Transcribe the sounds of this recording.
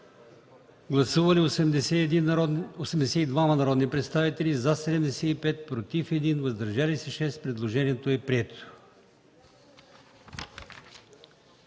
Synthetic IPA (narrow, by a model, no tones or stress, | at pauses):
ɡlˠɐsuvɐliosɛmɛsɛosɛmd̪ɛsɛid̪vamɐnɐɾɔd̪nipɾɛt̪st̪avit̪ɛlizasɛd̪ɛmd̪ɛsɛipɛt̪̚pɾot̪ifɛd̪invɐzd̪ɐɾʒalisɛʃɛst̪pɾɛd̪lˠoʒɛniɛt̪oɛpɾiɛt̪ʊ̥